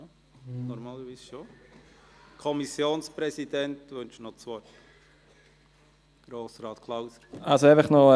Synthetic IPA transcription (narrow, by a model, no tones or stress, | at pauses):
nɔɾmɑːləɾʋiːsʃo | kʰɔmisjoːnspɾɛsid̥ɛntʋønt͡ʃnɔt͡sʋɔʏ | ɡ̥ɾoːsɾɑːt̪kʰlawsəɾalsoæɪfəχnɔ